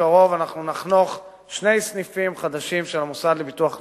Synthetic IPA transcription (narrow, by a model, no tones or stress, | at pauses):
aʁo̞vanaχnunaχno̞χ | ʃne̞jsnifimχad̪aʃimʃelamusad̪lebit̪uaχ